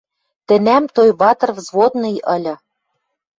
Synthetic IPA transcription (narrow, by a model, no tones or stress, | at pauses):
t̪ɘ̆næmt̪ojβɑt̪ɤ̆rvzβot̪nɤ̆jɤ̆lʲɤ̆